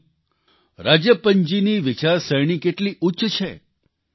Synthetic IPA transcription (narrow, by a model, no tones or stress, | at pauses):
ɾad͡ʒjəpəɲd͡ʒiniʋɪt͡ʃaɾsəjɽ̃ikeʈliʔutːʃt͡ʃʰe